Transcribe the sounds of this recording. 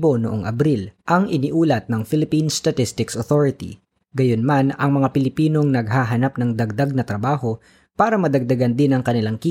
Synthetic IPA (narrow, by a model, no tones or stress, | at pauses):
bo̞noʔoŋʔɐ̰bɾilʔɐŋʔɪniʔuːlɐt̪̚nɐŋfɪlɪpinst̪ɐt̪ɪst̪ɪksoθoɹɪt̪ḭ | ɡɐjonmanɐŋmɐŋapɪlɪpiːno̞ŋnɐɡ̚ɦaːɦɐnap̚nɐŋd̪ɐɡ̚d̪aɡ̚nɐt̪ɾɐbaːho̞ | paːɾɐmɐd̪ɐɡ̚d̪ɐɡand̪ɪnɐŋkɐnɪlaŋkiː